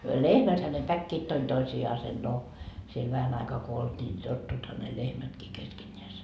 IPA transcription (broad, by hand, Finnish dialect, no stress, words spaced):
lehmæthæ ne pækːiːt toin toisiɑːsen no siel ʋæhæn ɑikɑː ko oltʲiː ni totːuithɑ ne lehmætkiː keskenʲːeæse